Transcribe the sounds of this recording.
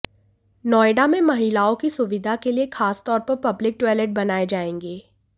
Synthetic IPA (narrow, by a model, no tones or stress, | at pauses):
nɔːɪɖamẽmɐɦiːlaːõkisʊʋɪd̪ʱakeliexaːst̪ɔːɾpɐɾpɐblɪk̚ʈɛːleʈ̚bɐnaːed͡ʒaːẽːŋɡeː